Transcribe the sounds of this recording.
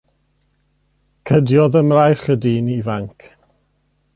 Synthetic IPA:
kʰədjɔðəmrajχədinivaŋkʰ

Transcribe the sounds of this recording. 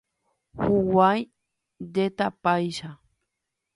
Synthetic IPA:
huwaj | d̪et̪apajʃa

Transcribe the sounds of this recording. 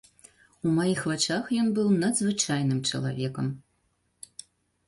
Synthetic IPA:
umajixvat͡ʂaxjɔnbɨwnɐd̪zvɨt͡ʂajnɨmt͡ʂɐ̰lˠa̰vʲɛkɐm

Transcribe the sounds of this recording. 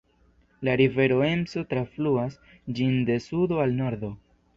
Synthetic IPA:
laɾive̞ɾo̞e̞mso̞tɾafluas | d͡ʒinde̞sudo̞alno̞ɾd̪o̞

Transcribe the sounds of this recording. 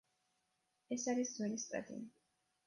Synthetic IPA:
ɛsaɾisd̪zwɛlist̪ʼa̰d̪ʼḭ

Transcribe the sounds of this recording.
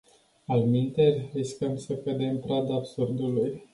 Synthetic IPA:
almint̪erʲriskəmsəkəd̪empɾad̪aːbsurd̪uluj

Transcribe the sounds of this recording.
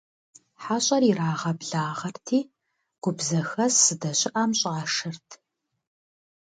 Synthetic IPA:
ħaːɕʼɐriraːʁɐbɮaːʁɐrtʰiː | ɡ̥ʷʊbzɐxɐssɨdɐɕʼɪʔɐmɕʼaʂɨrtʰ

